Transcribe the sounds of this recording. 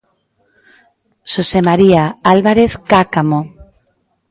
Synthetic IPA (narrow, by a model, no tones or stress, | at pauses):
sosemaɾiaalβaɾeθkakamo